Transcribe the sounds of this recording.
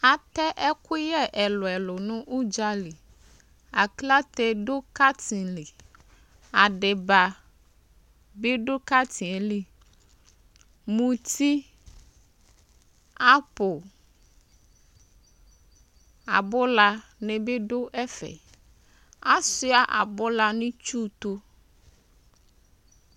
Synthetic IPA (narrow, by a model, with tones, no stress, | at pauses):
a˨t̪ɛ˦ʔɛ˦ku˦jɛ˦ʔɛ˨lɔ˨ɛ˨lo˨nũ˦ʔu˦d͡ʒa˦li˨ | a˨kla˦t̪ɛ˦ɖo˦ka˦t̪ĩ˨li˨ | a˨ɖe˨ba˨ | be˦ɖo˦ka˦t̪ʰĩ˨e˨li˦ | mũ˨t̪ʰi˦ | a˦pʊ˨ | a˨bʊ˦la˨ne˨be˦ɖo˦ʔɛ˦fɛ̰˨ | a˦sʊ˦a˨ʔa̰˨bʊ˦la˨nʊ̃˦t͡ʃu˦t̪o˦